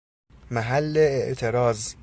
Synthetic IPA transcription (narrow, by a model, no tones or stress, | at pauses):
mæɦælːeːʔt̪ʰeɾɒːz